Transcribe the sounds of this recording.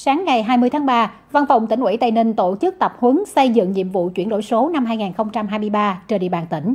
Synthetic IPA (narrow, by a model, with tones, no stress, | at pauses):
saː˨˦ŋːa˨˩jɦaː˧jmɨ˧əjt̪ʰːɓaː˧ | va˧nfa˨˧˩wŋ͡mt̪ï˧˩ŋ̟wḭ˧˥˦t̪a˧˩jnï˧ŋ̟t̪o˧˩t͡ɕɨ˦˥k̚t̪ə˨˩p̚hwə˨˦ŋsə˧jzɨ̰˧˨ŋɲḭ˧˨əmvṵ˧˨t͡ɕwi˧˩ənɗo̰˧˥˨jso˨˦na˧mɦaː˧jŋaː˨˩nxə˧wŋ͡mt͡ɕa˧mɦaː˧jmɨ˧əjɓaː˧t͡ɕəː˧˩ɗḭ˧˨ɓaː˨˩nt̪ï˧˩ŋ̟